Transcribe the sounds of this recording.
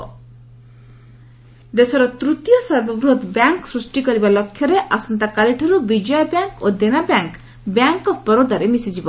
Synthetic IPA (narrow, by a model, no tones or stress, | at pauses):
d̪esaɾɔt̪ɾut̪jɔsɐɾbɔbɾud̪bjaŋksɾusʈikɔɾibalɔkʰjɔɾeʔasɔnt̪akaliʈʰɔɾubid͡ʒɔjbjaŋkod̪enabjaŋk | bjaŋkɔbɔɾod̪ʱaɾemisid͡ʒibɔ